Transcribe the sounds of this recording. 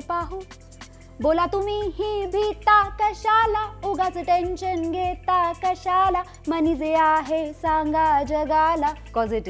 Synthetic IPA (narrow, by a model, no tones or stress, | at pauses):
paɦu | bolat̪umiɦibʱit̪akəɕalauɡat͡səʈenɕənɡʱet̪akəɕala | mənid͡zeaɦesãŋɡad͡ʑəɡalakɔd͡zʈ